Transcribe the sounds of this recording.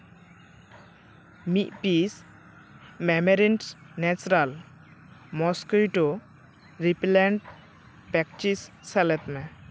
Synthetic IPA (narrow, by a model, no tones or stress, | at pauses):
miʔ̪̚pis | mɛmeɾinʈnɛt͡ʃɾal | mɔskujʈo | ɾiplɛɳʈ | pɛk̚t͡ʃisːɛlɛt̪mɛ